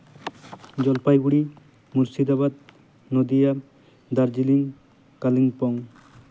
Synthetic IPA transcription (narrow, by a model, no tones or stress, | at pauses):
d͡ʒɔlpajɡuɽi | muɾsid̪aβad̪ | nod̪ija | d̪aɾd͡ʒiliŋ | kalinpɔŋ